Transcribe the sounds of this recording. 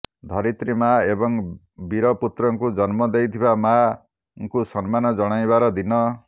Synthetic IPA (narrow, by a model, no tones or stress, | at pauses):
d̪ʱɔɾit̪ɾimaebɔŋ | biɾɔput̪ɾɔŋkud͡ʒɔnmɔd̪ejt̪ʰibama | ŋkusɔnmanɔd͡ʒɔɽ̃ajbaɾɔd̪inɔ